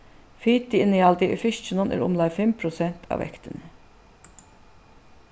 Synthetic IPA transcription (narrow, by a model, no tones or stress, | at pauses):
fyːt̪iɪnɪɑld̪ɪʔʏ̰fɪʃt͡ʃənɔnʔæ̰ɾʔʊ̰mlɑɪfɛmpʰɾʊsɛnt̪ʰɑ̰ːʋɛ̰kt̪ənə